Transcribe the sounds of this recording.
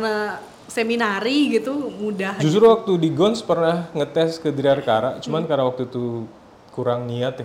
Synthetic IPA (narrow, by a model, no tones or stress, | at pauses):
kna | seminaɾiɡit̪umudaɦd͡ʒust̪ɾuwak̚t̪udiɡɔnspərnahŋət̪ɛskədɾiarkaɾaʔt͡ʃumankarnawak̚t̪ut̪u | kuɾaŋniat̪ja